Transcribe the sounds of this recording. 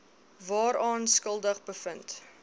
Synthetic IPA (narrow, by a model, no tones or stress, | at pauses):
vɑːɾɑːnskəlˠdəχbəfənt